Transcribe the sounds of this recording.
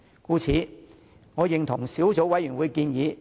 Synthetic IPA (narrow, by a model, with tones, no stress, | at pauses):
kuː˧t͡sʰiː˨˥ | ŋɔː˨˧jɪ˨ŋt̪ʰʊ˨˩ŋsiː˨˥wt͡so˨˥wɐ˨˥jy˨˩nwuː˨˧jkiː˧njiː˨˧